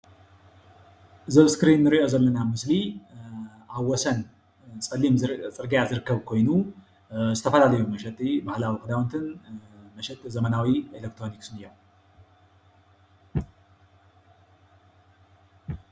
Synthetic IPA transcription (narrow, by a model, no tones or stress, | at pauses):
zɐβskɾinːɨɾiʔo̞zɐlːɐnamɨsli | ʔaβwɔsɐn | t͡sʼɐlːimt͡sʼɨɾɡijazɨɾɨkʰːɐβkʰo̞jnu | zɨt̪ʰɐfɐlalɐjumɐʃɛt̪ʼibahlawikʼɨd̪awɐnt̪ʰɨnmɐʃɛt̪ʼizɐmɐnawielek̚t̪ɾo̞niksɨnɨjːom